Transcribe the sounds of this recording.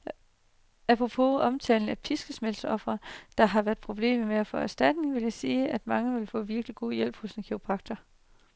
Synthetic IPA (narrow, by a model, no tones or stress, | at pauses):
æpʰʁopʰo̝̰ɒ̽mt͡sʰɛ̰ːln̩æpʰisɡ̥əsmel̰sɒ̽fʁɐd̥ɑ̈ɦɑ̈ʋæɐd̥̚pʰʁo̝b̥le̝̰ːmmeæfɒ̽æsd̥æd̥ne̝ŋʋe̝ljɑ̈ɪsiːæd̥mɑ̈ŋəʋe̝lfɔ̰̽ːʋiɐɡ̥liɡ̥o̝̰ːjel̰b̥hɔ̽sdinkʰiopʰɑ̈ɡ̥̚d̥ɐ